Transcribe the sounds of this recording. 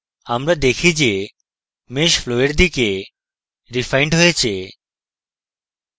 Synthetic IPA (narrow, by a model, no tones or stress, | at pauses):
amɾad̪ekʰid͡ʑe | meʃfloeɾd̪ike | ɾifajɳɖɦojet͡ɕʰe